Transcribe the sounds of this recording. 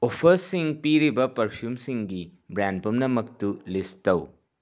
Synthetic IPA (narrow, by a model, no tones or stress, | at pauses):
opʰɐɾsiŋpiɾibɐpɐɾpʰjumsiŋɡibɾandpɐmnɐmɐk̚tulistɐw